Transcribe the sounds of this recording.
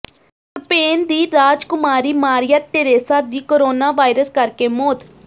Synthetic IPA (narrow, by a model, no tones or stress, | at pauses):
səpeːnd̪iːɾaːd͡ʒkʊmaːɾiːmaːɾijaːt̪eɾeːsaːd̪iːkoːɾoːnaːʋaːɪɾəskəɾkeːmoːd̪